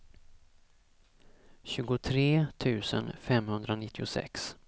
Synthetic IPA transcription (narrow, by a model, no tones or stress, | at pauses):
ɕʉ̟ːɡʊt̪ʰɾeːt̪ʰʉ̟ːsə̰nfɛmhɵnd̪ɾanɪt̪ːɪʊsɛ̰ks